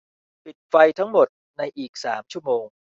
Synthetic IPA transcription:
pi˨˩t̪̚fa˧jt̪ʰa˦˥ŋmo˨˩t̪̚ | na˧jʔiː˨˩k̚sa̰ː˩˦mt͡ɕʰu˥˩˨moː˧ŋ

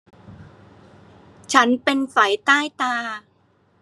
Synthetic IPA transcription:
t͡ɕʰa˦˥npe˧nfa˩˦jt̪aː˥˩jt̪aː˧

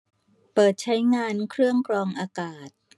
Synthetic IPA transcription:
pɤː˨˩t̪̚t͡ɕʰa˦˥jŋaː˧nkʰɾɯ˥˩əŋkʰɾɔː˧ŋʔaː˧kaː˨˩t̪̚

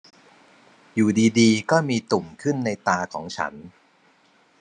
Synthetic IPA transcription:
juː˨˩diː˧diː˧kɔː˥˩miː˧t̪u˨˩mkʰɯ˥˩nːa˧jt̪aː˧kʰɔː˩˦ŋt͡ɕʰa̰˦˥n

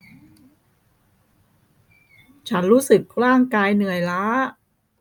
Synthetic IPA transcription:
t͡ɕʰa˦˥nɾuː˦˥sɯ˨˩k̚ɾaː˥˩ŋkaː˧jnɯ˨˩əjlaː˦˥

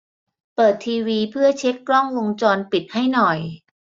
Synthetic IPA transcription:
pɤː˨˩t̪ʰːiː˧wiː˧pʰɯ˥˩ɐt͡ɕʰe˦˥kːɾɔ˥˩ŋwo˧ŋt͡ɕɔː˧npi˨˩t̪̚ha˥˩jnɔ˨˩j

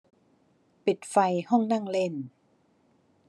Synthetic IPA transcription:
pi˨˩t̪̚fa˧jhɔ˥˩ŋna˥˩˨ŋle˥˩n

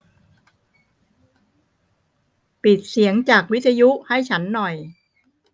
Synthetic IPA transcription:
pi˨˩t̪̚si˩˦əŋt͡ɕaː˨˩k̚wi˦˥t̪ʰːa˧ju˦˥ʔha˥˩jt͡ɕʰa˦˥nːɔ˨˩j

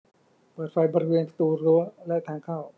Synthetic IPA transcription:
pɤː˨˩t̪̚fʰa˧jbɔː˧ɾi˥weː˧nsḁ˧t̪uː˧ɾu˦˥lɛ˦˥ʔt̪ʰaː˧ŋkʰa˥˩w

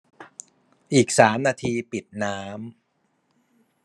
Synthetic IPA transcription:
ʔiː˨˩k̚saː˩˦mnaː˧t̪ʰiː˧pi˨˩t̪̚naː˦˥m

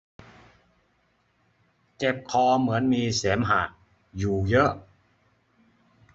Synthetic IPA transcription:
t͡ɕe˨˩p̚kʰɔː˧mɯ˩˦ənmiː˧seː˩˦mɦaː˨˩ | juː˨˩jɤ˦˥ʔ

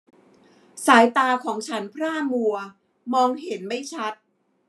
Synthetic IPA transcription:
saː˩˦jt̪aː˧kʰɔː˩˦ŋt͡ɕʰa˦˥npʰɾaː˥˩mu˧ɐ | mɔː˧ŋɦe˩˦nma˥˩jt͡ɕʰa˦˥t̪̚

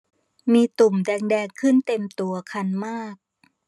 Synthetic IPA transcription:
miː˧t̪u˨˩mdɛː˧ŋdɛː˧ŋkʰɯ˥˩nt̪e˧mt̪u˧ɐkʰa˧nmaː˥˩k̚

